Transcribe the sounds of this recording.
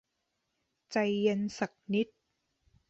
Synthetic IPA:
t͡ɕa˧jːe˧nsa˨˩k̚ni˦˥t̪̚

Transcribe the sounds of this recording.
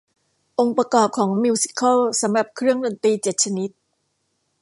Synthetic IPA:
ʔo˧ŋpɾa˧kɔː˨˩p̚kʰɔː˩˦ŋmi˧si̥˧kʰa˥lsa˩˦mɾa˨˩p̚kʰɾɯ˥˩əŋdo˧nt̪iː˧t͡ɕe˨˩t̪̚t͡ɕʰa˧ni˦˥t̪̚

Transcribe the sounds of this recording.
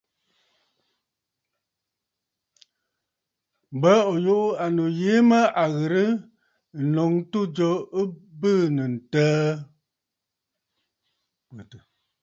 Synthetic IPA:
bə˦ɔ˨ju˦ʔa˨no˨je˨˦mə˦ʔa˨ɣə˨ɾə˦˨ | nɔ˨ŋtu˦d͡ʒɔ˨ə˦bɨ˦˨nə˨n̩˨təː˦ | ə˨tə˨

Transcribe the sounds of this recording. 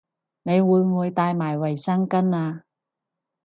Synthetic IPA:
ne˨˧jwuː˨˧jmuː˨˧jt̪aː˧jmaː˨˩jwɐ˨˩jsɐ˥ŋkɐ˥naː˧

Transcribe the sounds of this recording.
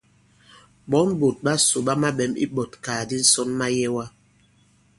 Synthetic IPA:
bɔ˨˦n˦bo˨t̚ɓa˦so˨ɓa˦ma˦ɓɛ˨˦mḭ˦ɓɔ˨tkaː˨di˦n̩˦sɔ˦nma˦jɛ˦wa˦

